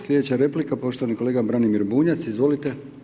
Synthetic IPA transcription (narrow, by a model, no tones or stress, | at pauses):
slʲe̞d̪et͡ɕaɾe̞plikapo̞ʃt̪oʋaniko̞leːɡabɾanimiɾbuːɲat̪sizʋo̞lit̪e